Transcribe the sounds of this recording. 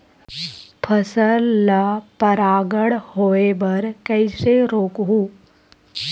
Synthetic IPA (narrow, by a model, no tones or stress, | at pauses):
pʰəsəlːapɐɾaːɡəɽhoːebɐɾkɐɪseɾoːkɦuː